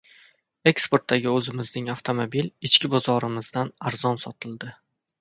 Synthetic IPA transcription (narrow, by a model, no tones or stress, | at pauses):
e̞kspoɾt̪ːaɡʲɪɵzɪmɪznɪŋaft̪ʰomobilɪt͡ʃkʲɪbɒzɒɾɪmɪzd̪anaɾzɒnsɒt̪ʰɪlˠd̪ɪ